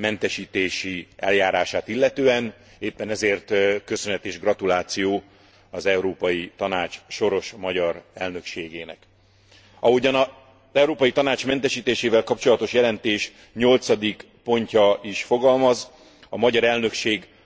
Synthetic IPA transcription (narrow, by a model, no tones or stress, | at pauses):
mɛnt̪ɛʃiːt̪eːʃiɛ̰ljaːɾaːʃaːt̪ilːɛt̪øːɛn | eːpːɛnɛzeːrt̪kø̞sønɦɛt̪eːʒɡrɒt̪ulaːt̪sijoː | ɒzɛwɾoːpɒjit̪ɒnaːt͡ʃʃo̞ɾo̞ʃmɒɟɒɾɛlnø̞kʃeːɡeːnɛ̰k | ɒɦoɟɒnɒ | zɛwɾoːpɒjit̪ɒnaːt͡ʃmɛnt̪ɛʃiːt̪eːʃeːvɛlkɒpt͡ʃo̞lɒt̪o̞ʃjɛlɛnt̪eːʃ | ɲo̞lt̪sɒd̪ik | po̞ɲcɒiʃfo̞ɡɒlmɒz | ɒmɒɟɒɾɛlnø̞kʃeːɡ